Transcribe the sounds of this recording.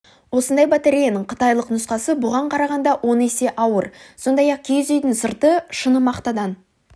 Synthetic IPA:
wo̞sənd̪ɑjbɑt̪eɾijanəɴqʰə̥t̪ɑjlˠəqnʊsqɑsəbʊʁɑɴqʰɑɾɑʁɑnd̪ɑwʔo̞ne̞se̞ʔɑwəɾso̞nd̪ɑjɑq̚kʲʰejzejd̪ɪnsəɾt̪əʃənəmɑqt̪ɑd̪ɑn

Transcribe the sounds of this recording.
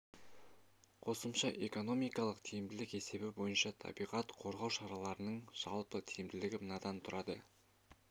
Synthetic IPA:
qʰo̞səmʃɑʔe̞ko̞no̞mijkɑlˠəqt̪ʰijɪmd̪ɪlɪke̞se̞bɪbo̞jənʃɑt̪ʰɑ̰bijʁɑt̪qʰo̞ɾʁɑwʃɑɾɑlˠɑɾənəɴʒ̥ɑ̰lˠpət̪ʰijɪmd̪ɪlɪɡʲɪmənɑd̪ɑnt̪ʰʊɾʔɑd̪ə

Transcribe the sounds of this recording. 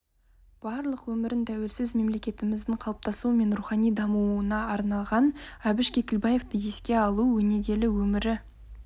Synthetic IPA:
b̥ɑɾlˠəqwɵmɪɾɪnt̪ʰæwe̞lsɪzme̞mle̞kʲe̞t̪ɪmɪzd̪ɪɴqʰɑlˠəp̚t̪ɑsuəme̞nɾuχɑnijd̪ɑmuənɑːɾnɑlˠʁɑnæbɪʃkʲʰe̞kʲɪlbɑje̞ft̪əje̞skʲe̞ɑlˠuwɵne̞ɡʲe̞lɪwɵmɪɾɪ

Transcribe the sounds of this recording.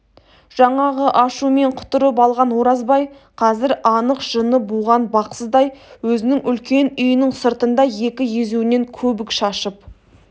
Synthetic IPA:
ʒ̥ɑɴɑʁəʔɑʃume̞ɴqʰʊ̥t̪ʊɾəp̬ɑlˠʁɑnwo̞ɾɑzbɑj | qʰɑzɪɾɑnəqʒ̥ənəbuʁɑnbɑqsəzd̪ɑjwɵzɪnɪŋʔʏlkʲe̞nʏjɪnɪŋsəɾt̪ənd̪ɑje̞kʲɪje̞zuɪne̞ŋkʲʰɵbɪkʃɑʃəp

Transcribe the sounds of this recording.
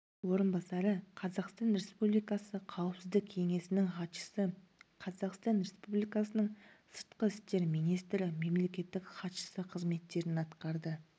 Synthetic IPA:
wo̞ɾənbɑsɑɾəqʰɑzɑqst̪ɑnɾe̞spublijkɑsəqʰɑwəpsɪzd̪ɪkʲʰe̞ŋe̞sɪnɪŋχɑt̪ʃə̥sə | qʰɑzɑqst̪ɑnɾe̞spublijkɑsənəɴsəɾt̪qəɪst̪e̞ɾmijnijst̪ɾɪme̞mle̞kʲe̞t̪ːɪkχɑt̪ʃə̥səqʰəzme̞t̪ːe̞ɾɪnɑt̪qɑɾd̪ə

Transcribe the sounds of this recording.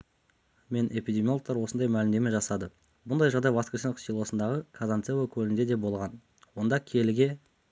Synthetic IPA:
me̞nʔe̞pʲijd̪ʲemijolˠok̚t̪ɑɾwo̞sənd̪ɑjmælɪmd̪e̞meʒɑsɑd̪ə | bʊnd̪ɑjʒɑʁd̪ɑjvɑskʲesensilˠo̞sənd̪ɑʁəkʰazant̪sevokʲʰɵlɪnd̪e̞d̪e̞bo̞lˠʁɑn | wo̞nd̪ɑkʲʰe̞lɪɡʲe̞

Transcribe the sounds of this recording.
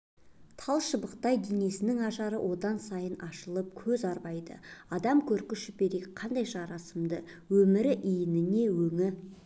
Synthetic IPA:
t̪ʰɑlˠʃəbəqt̪ɑjd̪ene̞sɪnɪŋɑʒɑɾəwʔo̞d̪ɑnsɑjənʔɑʃəlˠəp̚kʲʰɵzɑɾbɑjd̪ə̰ɑd̪ɑmkʲʰɵɾkʲʏʃɪp̚e̞ɾekʲqʰɑnd̪ɑjʒɑɾɑsəmd̪ə | wɵmɪɾɪʔijɪnɪne̞wɵŋɪ

